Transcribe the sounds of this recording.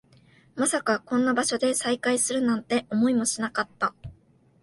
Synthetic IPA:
masakakõ̞nːabaɕo̞d̪e̞saikaisɨɾɯ̟nãnt̪e̞ʔo̞mo̞imo̞ɕinakat̪ːa

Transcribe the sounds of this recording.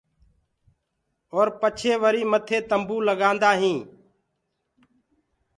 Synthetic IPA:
oːɾpət͡ʃʰeːʋəɾiːmət̪ʰeːt̪əmbuːləɡãːnd̪aːɦĩː

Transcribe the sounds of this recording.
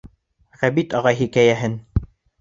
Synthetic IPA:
ʁæbit̪ɑʁɑjɦikæjæɦɘn

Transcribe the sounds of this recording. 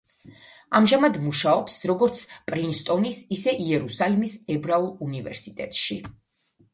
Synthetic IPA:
amʒamad̪muʃaɔpsɾɔɡɔɾt̪sʰpʼɾinst̪ʼɔnisisɛʔiɛɾusalimisɛbɾaulˠunivɛ̰ɾsi̥t̪ʼɛ̰t̪ʼʃi

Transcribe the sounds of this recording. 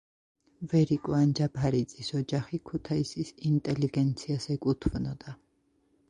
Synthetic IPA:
vɛɾikʼwand͡ʒabʰaɾit̪sʼisɔd͡ʒaχikʰut̪ʰaisisint̪ʼɛliɡɛnt̪sʰiasɛkʼut̪ʰvnɔd̪a

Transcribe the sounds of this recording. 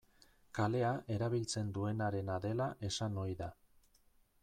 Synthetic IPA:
kale̞aʔe̞ɾaβ̞ilt͡se̞nd̪ue̞naɾe̞naðe̞laʔe̞sano̞jða

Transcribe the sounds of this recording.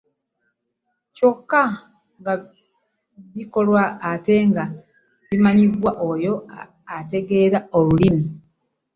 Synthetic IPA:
co̞kːa | ŋɡa | βiko̞lwaːte̞ŋɡa | βimaɲiβwaʔojo̞ | ate̞ɡe̞ːɾaolulimi

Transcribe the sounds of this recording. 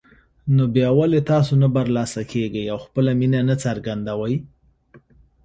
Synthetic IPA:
nobjɑwalet̪ɑs̬onabaɾlɑsakʰeɡəjawxpəlaminanat͡saɾɡand̪awəj

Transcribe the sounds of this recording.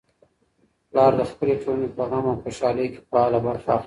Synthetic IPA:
plɑːɾd̪əxpəleʈ͡ʂonepəɣamawxoʃɑləjke̥pɑlabaɾxax

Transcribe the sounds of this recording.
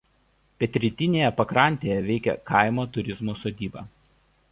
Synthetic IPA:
pʲɛt̪ʲɾʲɪt̪ʲɪnʲeːjɛpɐkɾɐˑnʲt̪ʲeːjɛʋʲɛɪkʲɛ̰kɐˑɪmoːt̪ʊɾʲɪzmuːsoːd̪ʲiːbɐ̰ː

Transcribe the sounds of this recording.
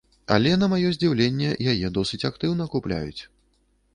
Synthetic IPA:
a̰lʲɛnɐmajɔzʲd͡zʲiwlʲenʲːɛjajɛd̪ɔsɨt͡sʲakt̪ɨwnɐkuplʲa̰jṵt͡sʲ

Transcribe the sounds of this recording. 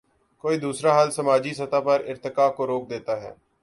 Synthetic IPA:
koːiːd̪uːsɾaːɦaːlsəmaːd͡ʒiːsət̪aːpəɾɪɾt̪ɪkaːkoːɾoːk̚d̪eːt̪aːɦɛ̰ː

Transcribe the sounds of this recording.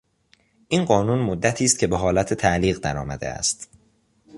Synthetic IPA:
ʔiːnɢɒːnuːnmod̪ːæt̪ʰiːst̪̚cʰe̞beɦɒːlæt̪ʰet̪ʰæʔliːɣd̪æɾɒ̰ːmæ̰d̪ḛæ̰st̪

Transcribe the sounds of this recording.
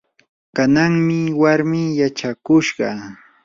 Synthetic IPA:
kanaŋmɪwaɾmɪːjat͡ʃakʊʃɢɑ

